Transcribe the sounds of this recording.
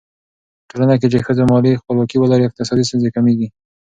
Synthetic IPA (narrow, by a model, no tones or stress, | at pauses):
ʈolanak̬et͡ʃexəzamɑlixpəlwɑkiwalɑɾeɪq̚t̪ɪsɑd̪is̬t̪ənzekameɡi